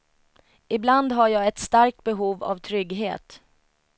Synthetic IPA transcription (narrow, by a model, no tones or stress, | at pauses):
ɪbland̪ɦaɾjɑːɛt̪st̪aɾk̚t̪̚bɛɦuːva̰vt̪ʰɾʏɡɦḛːt̪